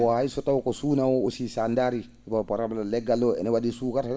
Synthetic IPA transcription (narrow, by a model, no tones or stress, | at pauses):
ɔhaisɔtawkɔsunawɔosisandaɾi | bapaɾablalɛɡalɔɛ̰nɛwadisukaɾa